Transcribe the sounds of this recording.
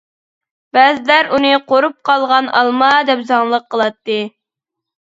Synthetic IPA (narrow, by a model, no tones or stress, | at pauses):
b̥ɛzlæɾunɨqʰoɾup̚qʰɑlˠʁɑnʔɑ̰lˠmɑd̪ɛpzɑŋlˠəqʰːəlˠɑt̪ːɨ